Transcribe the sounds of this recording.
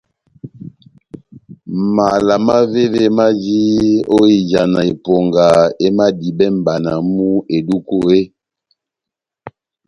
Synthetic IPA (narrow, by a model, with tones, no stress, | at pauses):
ma˨la˨ma˦ve˦ve˦ma˦d͡ʒi˦o˦i˨d͡ʒa˨na˨e˨po˨ŋɡa˨e˦ma˦di˨bɛ˦m̩˨ba˨na˨mu˦e˨du˦ko˦˨e˦